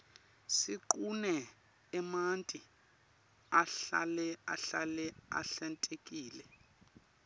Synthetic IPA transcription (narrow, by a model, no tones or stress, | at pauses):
siǃunɛ | ɛmantʼi | aɬa̰lɛa̰ɬalɛa̰ɬɛntʼekʼiːlɛ